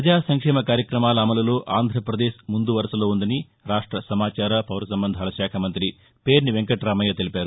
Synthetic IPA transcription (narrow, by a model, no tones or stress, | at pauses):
ɐd͡ʒaːsɐŋkʂɛːmɐkaːɾjɐkɾɐmaːlɐːmɐlɐlo̞ːʔʔaːnd̪ʱɾɐpɾɐd̪eːʃmund̪uʋɐɾɐsɐloːund̪ɐni | ɾaːʂʈɾɐsɐmaːt͡ʃaːɾɐpɐʋɾɐsɐmbɐnd̪ʱaːlɐʃaːkʰɐmɐnt̪ɾi | pe̞ːɾniʋeŋkɐʈɾaːmɐjɐt̪elipʲaːɾu